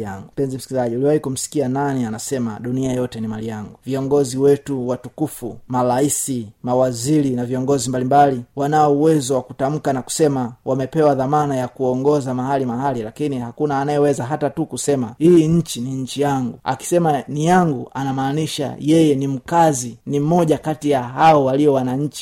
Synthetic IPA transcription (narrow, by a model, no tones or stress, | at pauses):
aŋɡum̩pɛnzim̩si̥kizaʄiuliwahikum̩si̥kiananianasɛmaɗuniajɔtɛnimalijaŋɡuviɔŋɡɔziwɛtuwatukufumalaisimawaziɾinaviɔŋɡɔzimbalimbaliwanaɔuwɛzɔwakutam̩kanaku̥sɛmawʔamɛpɛwaðamanajakuɔŋɡɔzamaɦalimaɦalilakinihakunaːnajɛwɛzaɦatatukusɛmahiːɲ̩t͡ʃiniɲ̩t͡ʃijaŋɡua̰ki̥sɛmanijaŋɡuʔanamaːniʃa̰jɛjɛnim̩kazinim̩mɔʄakatijaɦaɔwaliɔwanaɲ̩t͡ʃi̥